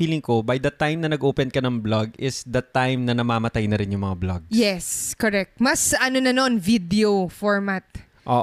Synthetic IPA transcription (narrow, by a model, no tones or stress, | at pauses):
iːlɪŋkobɐjd̪ɐt̪ajmnɐnɐɡʔoːpɛnkɐnɐŋblaɡɪsd̪ɐt̪ːajmnɐnɐmaːmɐt̪ajnɐɾɪnjʊŋmɐŋablaɡjɛskoɾɛk̚t̪̚mɐsɐnonɐnnvid̪ɛofoɹmat̪̚ | ʔo